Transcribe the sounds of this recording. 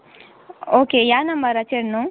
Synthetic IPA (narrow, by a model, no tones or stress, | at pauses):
oːkejanɐmɐɾɐt͡ʃeɾno